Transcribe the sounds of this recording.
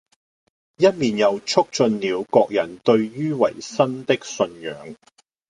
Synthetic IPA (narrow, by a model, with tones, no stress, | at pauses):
jɐ˥t̚miː˨njɐ˨˧wt͡sʰʊ˥k̚t͡ʃɵ˧nliː˨˧wkɔː˧k̚jɐ˨˩nt̪ɵ˧ɥɥyː˥wɐ̰˨˩jsɐ˥nt̪ɪ˥k̚sɵ˧njœ̰ː˨˥ŋ